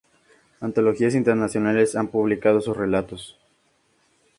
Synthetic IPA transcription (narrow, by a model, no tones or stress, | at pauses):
ant̪o̞lo̞xias̬int̪eɾnasjo̞nale̞sampuβlikað̞o̞susre̞lat̪o̞s